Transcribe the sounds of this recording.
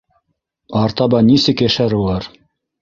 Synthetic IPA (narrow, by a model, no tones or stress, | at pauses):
ɑɾt̪ɑbɑnisɘkæʃæɾulˠɑɾ